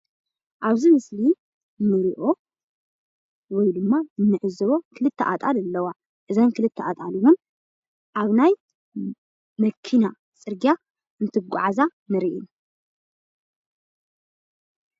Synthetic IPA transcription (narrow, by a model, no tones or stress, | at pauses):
ʔaβzimɨsli | nɨɾiʔo̞ | wɔjd̪ɨmːaɨnːɨʕɨzɨβo̞kʰɨlɨt̪ʰːɐʔa̰t̪ʼalɨlːɐwa | ʔɨzɐnkʰɨlɨt̪ʰːɛʔat̪ʼaliwun | ʔaβnaj | mɐkʰina | t͡sʼɨɾɡija | ɨnt̪ʰɨɡʷʊ̰ʕazamɨɾiʔin